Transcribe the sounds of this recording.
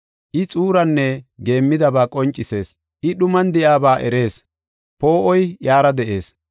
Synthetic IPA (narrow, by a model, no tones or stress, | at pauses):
ʔɪt͡sʼuːɾɐnːɛɡe̞ːmːɪd̪ɐbaːkʼɔnt͡ʃʼːɪse̞ːs | ʔɪɗʊmɐnd̪ɪjaːbaːʔɛɾe̞ːs | po̞ːʔɔjjaːɾɐd̪ɛʔe̞ːs